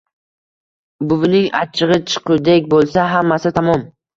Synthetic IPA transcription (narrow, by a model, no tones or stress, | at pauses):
bʊvnɪŋa̰t͡ʃʰɨʁɨt͡ʃʰɨ̥qʰud̪ekʲbolˠsaɦamːasɪt̪ʰamɒm